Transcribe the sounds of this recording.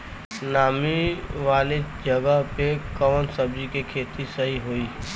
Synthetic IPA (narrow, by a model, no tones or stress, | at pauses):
naːmiʋaːled͡ʒɐɡəɦpekɔːnsɐbd͡ʒikekʰeːt̪isɐɦiɦoːiː